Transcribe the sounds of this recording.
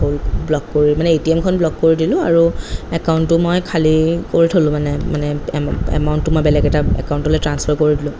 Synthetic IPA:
olblɔkːoɹimanɛetiɛmkʰɔnblɔkːoɹidilʊ̃aɹuɛkaʊntʊmojkʰalikoɹitʰolʊ̃manɛmanɛɛ̰mawntːʊmojbɛlɛɡɛtaɛ̰kawntɔlojtɹanspʰaɹkoɹidilʊ̃

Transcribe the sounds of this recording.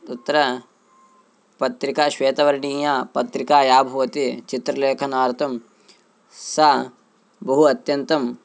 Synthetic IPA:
ut̪ːɐɾɐ | pɐt̪ɾikaʃʋeːt̪ɐʋɐɾnĩːjaːpɐt̪ɾikaːjaːbʱɐʋɐt̪it͡ʃit̪ɾɐleːkʰɐnaːɾt̪ʰɐm | sɐ | bɐɦuɐt̪jɐnt̪ɐm

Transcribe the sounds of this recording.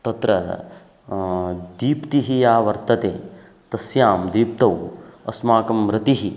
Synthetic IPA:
t̪ɐt̪ɾɐ | d̪iːpt̪iɦijaːʋɐɾt̪ɐt̪eː | t̪ɐsjaːmd̪iːp̚t̪ɐwɐsmaːkɐmɾɐt̪iɦi

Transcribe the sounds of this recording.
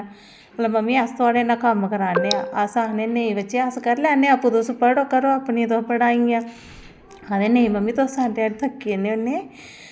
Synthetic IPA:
mət̪ləbməmːiːast̪oaːɽeːnãːkəmkəɾaːneːa̰ːəsaːneːneĩʋət͡ʃːeːaskəɾlaːneːapːũːd̪ospəɽoːkəɾoːapnit̪opəɽaːĩãː | aneːneĩːməmːiːt̪osaːɖeːaɾt̪ʰəkːineoneː

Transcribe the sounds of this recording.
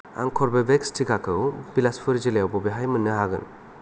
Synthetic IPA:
a̰ŋkʰɔɾbabekstʰiɡakʰɯwbilaspʰɯɾzilejawbɔbeɦajmɯnːɯɦaɡɯ̰n

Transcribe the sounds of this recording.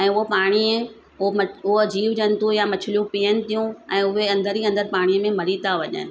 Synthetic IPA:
ɛ̃ːʊɦopaːɽ̃i | mɐʊɦod͡ʑiːʋd͡ʑənt̪ũjamɐt͡ɕʰɪlijũpiːənɪ̆t̪ijũɛ̃ːʊɦeɐ̃nd̪əɾiɐ̃nd̪əɾpaːɽ̃iəmẽmɐɾit̪ʰaʋɐʄə̰ː

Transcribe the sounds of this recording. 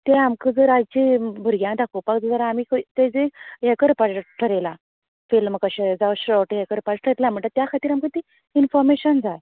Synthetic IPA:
t̪eamkəd͡zəɾat͡ɕebʱuɾɡʲjãd̪akʰopakd͡zəd͡zəɾamiːkət̪ed͡zeekəɾpaʈʈʰəɾela | filməkəɕed͡zaʋɕɾɔʈɦekəɾpaʈʈʰəɾelam̤əɳt̪əɾt̪jakʰat̪iːɾamkət̪i | infɔɾmeɕənd͡zaj

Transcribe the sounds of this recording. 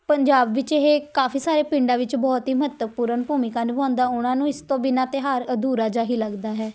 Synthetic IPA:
pəɲd͡ʒaːbʋɪt͡ʃeɦeːkaːfʰiːsaːɾeːpɪ̃ɳɖaːʋɪt͡ʃbɔːt̪ɦiːməɦət̪ːəʋpuːɾənbuːmɪkãːnũːbãːnd̪aːʊnãːnũːɪst̪õːbɪnaːt̪eːɦaːɾəd̪uːɾaːd͡ʒaːɦiːləɡd̪aːɦɛː

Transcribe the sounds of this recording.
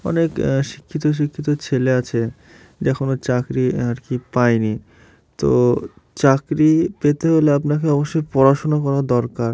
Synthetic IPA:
ɔ̰nekʃi̥kʰːit̪oʃ̬ikʰːit̪ot͡ɕʰeleat͡ɕʰe | d͡ʑɛkʰonot͡ɕakɾiaɾkipajni | t̪o̰ | t͡ɕakɾipet̪eɦoleapnakeɔboʃːojpɔɾaʃonakɔɾad̪ɔɾkaɾ

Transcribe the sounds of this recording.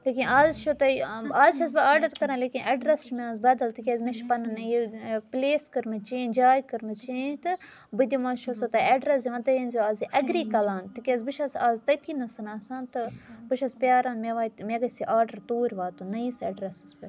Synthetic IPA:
leːkinaːzʃot̪ɐiaːzt͡ʃʰɐsbɐaːɾɖɐɾkɐɾãnleːkinʔɐɖɾɐst͡ʃmʲaːzbɐːd̪ɐlt̪ikʲezmeʃpɐnɐnɐjipleːskɐɾmɐt͡ʃẽːd͡ʒaːjkɨɾmɐzt͡ʃeːd͡ʒt̪ɨ | bɨd̪ʲimãːʃʰosot̪ɐɐɖɾɐs̬iʋɐt̪ɐjɐnzʲoaːziʔɐɡɾiːkɐlaːnt̪ikʲezbɨʃɐsaːzt̪ɐt̪ʰiːnɐsɐnaːsaːnt̪ɨbɨʃɐspjaːɾaːnmeʋaːit̪meɡɐsiʔaːɾɖɐɾt̪oːɾʲʋaːt̪unɐisɐ̰ɖɾɐsɨzpʲɐ

